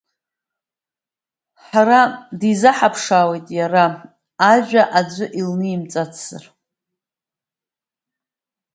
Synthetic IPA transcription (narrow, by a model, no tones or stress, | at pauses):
ħaɾadizaħapʰʂaːwejtʼjaɾa | aʒᶣʷaʔad͡ʒʷɨʔilnɨimt͡sʼat͡sʰz̥ɨ̰r